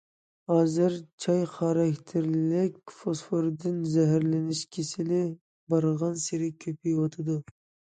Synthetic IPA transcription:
hɑːzɨɾt͡ʃʰɑjχɑɾɑkʲt̪ʰɪɾlɪkʲfosfoɾd̪ɪnzɛɦæɾlɪnɪʃkʲʰesɪlɪ | bɑɾʁɑnseɾɪkʲʰøpʰijwot̪ʰɨd̪u

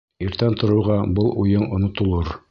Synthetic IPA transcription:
iɾt̪ænt̪ŏɾɤ̆wʁɑbɤlˠujɤɴŏnŏt̪ŏlˠɤɾ

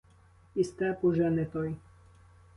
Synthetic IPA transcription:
ist̪ɛpuʒɛnɛt̪ɔj

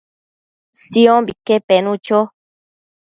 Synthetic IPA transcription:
siõbikepenũt͡ʃo

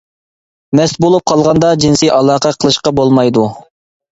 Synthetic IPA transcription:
mɛst̪bolˠup̚qʰɑlˠʁɑnd̪ɑd͡ʒinsɨʔɑlˠɑːqʰɑqʰəlˠɨʃqɑbolˠmɑjd̪u

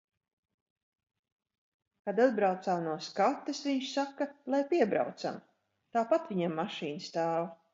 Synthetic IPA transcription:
kad̪ad̪̚bɾawt̪saːmnuɔskat̪ːesviɲʃsakːalˠajpʲiɛbɾa̰wt̪sa̰m | t̪aːpat̪vʲiɲamːaʃiːnst̪aːv

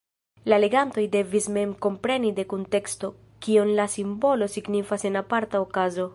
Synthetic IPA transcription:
lale̞ɡanto̞jde̞visme̞mko̞mpɾe̞nide̞kunte̞ksto̞ | kionlasimbo̞lo̞siɡnifase̞napaɾtaokazo̞

